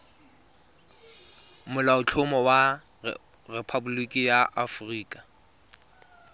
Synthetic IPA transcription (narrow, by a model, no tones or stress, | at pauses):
mʊlaʊt͡ɬʰʊmɔwa | repʰabulikʼijaʔafriːkʼa